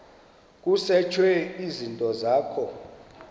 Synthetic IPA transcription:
k̬ʼusɛt͡ʃʰwɛizintʼɔzaːkʰɔ

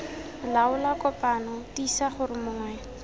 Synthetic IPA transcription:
laʊlakɔpʼanɔtisaχʊrɪmʊŋwɛː

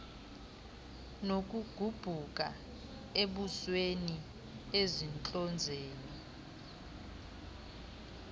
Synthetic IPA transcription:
nok̬ʼuɡ̥ʱub̥ʱuk̬ʼa | eɓusweni | ezint͡ɬʼɔnd͡zʱeːni

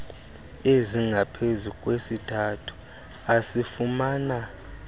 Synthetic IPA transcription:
eziŋɡʱapʰezukʼwesitʰatʰu̥ | asifumaːna

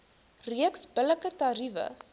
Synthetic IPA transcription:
riəksbələkətɐɾivə̰

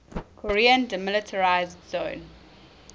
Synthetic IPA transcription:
kʰɔɹiə̃ndəmɪlɪtʰəɹaɪzdzõːn

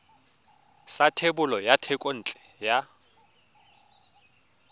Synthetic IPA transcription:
satʰebʊlɔjatʰɛkʼon̩ːt͡ɬʼɛ̥ | ja

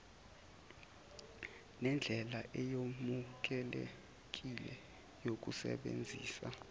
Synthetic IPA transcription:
nɛnd͡ɮʱɛlaʔɛjomuk̬ʼɛle | k̬ʼilɛ | jok̬ʼusɛ̰ɓḛnd͡zʱiːsa

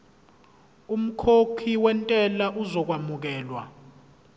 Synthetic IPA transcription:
um̩kʰokʰiwɛntʼɛlaʔuzɔk̬wamuk̬ɛːlwa̰

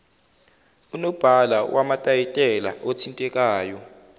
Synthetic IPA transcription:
unɔb̥ʱalawʔamatʼajitʼɛla̰ʔotʰintʼɛk̬ʼaːjɔ

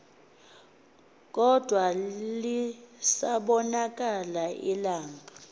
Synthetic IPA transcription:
k̬ʼɔd̥ʱwalisaɓɔnak̬ʼalaʔilaːŋa

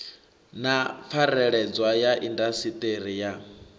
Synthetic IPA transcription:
nap̪fʰaɾɛɺɛd͡zwajaʔindasitʼeɾija

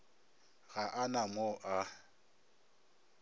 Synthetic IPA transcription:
ɣaʔanamɔʔa

